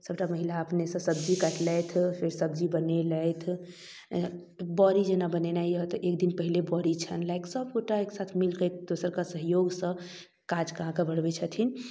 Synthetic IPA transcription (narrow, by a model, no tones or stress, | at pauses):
səbʈaməɦilaəpnesə̃səbd͡ʒikəʈləjt̪ʰpʰeɾsəbd͡ʒibənelət̪ʰ | bɔɾid͡ʒenabənenaiət̪əʔekd̪inpəɦilebɔɾit͡ʃʰənlajksəbkoʈaeksat̪ʰmilkətd̪osəɾkasəɦjoɡsə̃ | kad͡ʒkəɦãkebəɽbet͡ʃʰət̪ʰin